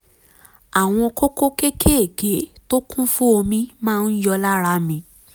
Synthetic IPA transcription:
a˨w̃ɔ̃˧ko˦ko˦ke˦kʰe˦e˨ɡe˨˦to˦kũ˦fũ˦o˧mĩ˦mãː˦˧n̩˦jɔ˧la˦ɾa˧mĩ˧˦

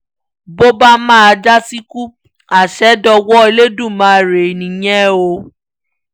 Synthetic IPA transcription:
bo˦ba˦mãː˦a˧d͡ʒa˦si˦ku˦ | a˨ʃɛ˨˦dɔ˧wɔ˦e˧le˦dũ˦˨mãː˨˦ɾe˨nĩ˨j̃ɛ̃˦o˧˦

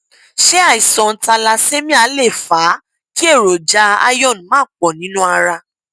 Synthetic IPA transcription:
ʃe˦a˦˨i˨sɔ̃˨n̩˦ta˧la˧se˦mĩ˦a˨˦le˦˨fa˨˦ | ki˦e˦˨ɾo˨d͡ʒa˧˦a̰˧jɔ̃˦˨ñ˨mãː˦˨k͡pɔ˨nĩ˨˦nũ˦a˧ɾa˧

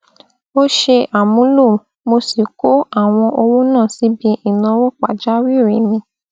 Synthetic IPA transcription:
o˦ʃe˧ʔa˨mũ˨˦lu˦˨ | mo˧si˨ko˨˦a˦˨w̃ɔ̃˧ʔo˧wo˦nãː˦˨si˨˦bĩ˧ʔi˦˨nã˧wo˦k͡pa˨d͡ʒa˦wi˦˨ɾi˨˦mĩ˧˦

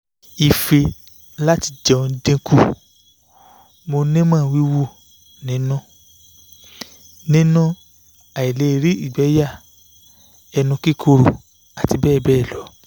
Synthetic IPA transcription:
i˨fe˧ | la˦ti˧d͡ʒɔ̃˨˧dẽ˧ku˦˨ | mo˧nẽ˦mãː˦˨wi˨˦wu˦˨ | nĩ˨˦nũ˦ | nĩ˦nũ˦ | a˨i˨le˨˦˧ɾi˦i˦˨ɡ͡bɛ˨˦ja˦˨ | ɛ˧nũ˧ki˦kʰo˧ɾo˨ | a˨ti˧bɛː˦˨bɛː˦˨lɔ˨˦

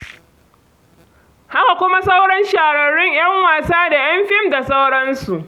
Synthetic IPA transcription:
ha˦ka˨kʷʊ˦ma˦sa˦wɽɐ˦nʃaː˨ɽɐ˨ɽʊ˦ɲʔj̰ɐ˦ŋwaː˨saː˦da˨j̰ɐ˦mɸɪ˦mda˨sa˦wɽɐ˦nsu˨ʔ

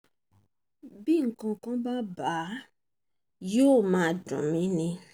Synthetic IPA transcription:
bi˦˨ŋ̩˨kɔ̃˨kɔ̃˦ba˦ba˨˦ | jo˦˨mã˨dɔ̰̃˨mĩ˦nĩ˦

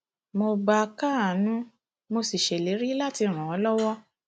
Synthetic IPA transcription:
mo˧ɡ͡ba˧ka˦a˨nũ˦ | mo˧si˨ʃe˨le˨˦ɾi˦la˦ti˧ɾ̃ũ˨ɔ˨˧˦lɔ˦wɔ˦

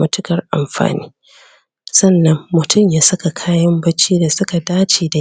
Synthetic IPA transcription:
mɐ˦tʊ˦kɐ˨rʔa̰˨mɸa̰ː˨nḭː˦ | sɐ˦˨nːɐ˦mːʊ˨tʰʊ˦˨mjaː˦sɐ˦ka˨kʰaː˦jɐ˦mbɐ˦t͡ʃiː˦da˨sʊ˦ka˨daː˦t͡ʃeː˨da˨

